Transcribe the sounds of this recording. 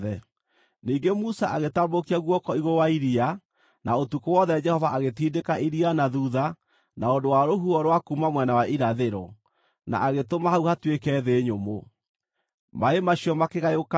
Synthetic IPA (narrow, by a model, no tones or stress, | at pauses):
ɛ | niːŋɡemusaʔaɣetambokiaɣwɔkɔiɣowaiɾia | nʔaotukowɔðɛd͡ʒɛhɔvaʔaɣetiːdekaʔiɾianaðuða | naondowaɾoɦuɔɾwakuːmamwɛnawaʔiɾaðeɾɔ̰ | na̰ʔaɣetomahauhatwekɛðeɲomo | maemaɕiɔmakeɣajoka